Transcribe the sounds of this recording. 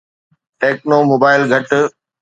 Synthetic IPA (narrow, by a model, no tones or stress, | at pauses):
ʈeːknomoːbaːɪlɡʱɐʈ